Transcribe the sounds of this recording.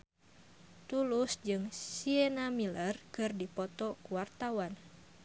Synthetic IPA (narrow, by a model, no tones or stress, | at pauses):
t̪ulusd͡ʒɨŋsiɛnamilərkɨrdipɔt̪ɔkuwart̪awan